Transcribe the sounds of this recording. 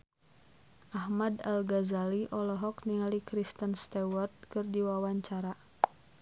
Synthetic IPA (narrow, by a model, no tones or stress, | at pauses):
ʔahmadalɡazaliʔɔlɔɦɔkniŋalikɾist̪ənst̪awɔrt̪̚kɨrdiwawaɲt͡ʃaɾa